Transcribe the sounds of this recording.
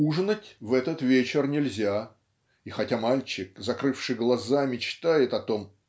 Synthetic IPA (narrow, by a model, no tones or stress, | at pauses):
uʐnətʲvɛt̪ət̪vʲet͡ɕɪrnʲɪlʲzʲa | ixɐtʲamalʲt͡ɕɪk̚zɐkɾɨfʂɨjɡlˠɐzamʲɪt͡ɕt̪ajɪt̪ɐt̪o̞m